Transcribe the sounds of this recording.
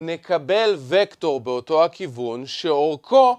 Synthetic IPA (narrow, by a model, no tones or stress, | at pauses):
ne̞kʰabe̞lvekto̞ʁbeoto̞hakivunʃeoʁkʰo